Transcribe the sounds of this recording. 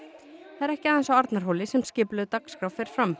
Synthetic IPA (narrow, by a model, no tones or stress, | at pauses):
θaðɛɾɛhcɪaːðɛnsawaɾt̪naɾ̥ɦoːwlɪsɛmscɪːplʏðt̪akskɾawfɛɾ̥fɾam